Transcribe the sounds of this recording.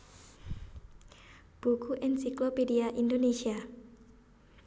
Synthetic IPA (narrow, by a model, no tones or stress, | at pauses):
b̥ukuʔɛnsiklopediaʔindonesia